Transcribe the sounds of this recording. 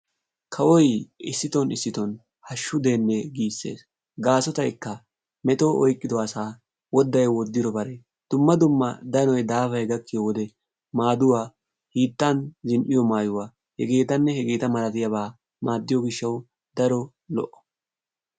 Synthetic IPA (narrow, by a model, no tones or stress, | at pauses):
kʰɐwɔjɪsːɪt̪ɔnɪsːɪt̪ɔn | hɐʃːʊd̪e̞ːnːɛɡiːsːe̞̰ːs | ɡaːsɔt̪ɐjkːɐ | mɛt̪oʔɔjkʼːɪd̪ɔɐsaː | wɔd̪ːɐjwɔd̪ːɪd̪ɔbɐɾe | d̪̥ʊmːɐd̪ʊmːɐ̰d̪ɐnɔjd̪aːfɐjɡɐkːɪjwɔd̪ɛ | maːd̪ʊwaː | hiːt̪ːɐnzɪnʔɪjɔmaːjʊwaː | hɛɡe̞ːt̪ɐnːɛhɛɡe̞ːt̪ɐmɐlɐt̪ɪjɐβaː | maːd̪ːɪjɔɡɪʃːɐw | d̪̥ɐɾɔ | lɔ̰ʔɔ̥